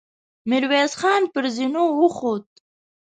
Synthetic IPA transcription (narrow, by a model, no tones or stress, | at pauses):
mɪɾwezxɑːnpəɾzinowəxod̪̚